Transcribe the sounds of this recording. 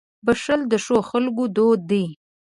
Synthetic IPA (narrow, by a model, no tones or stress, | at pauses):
bəʂəld̪əʂoxalɡod̪od̪i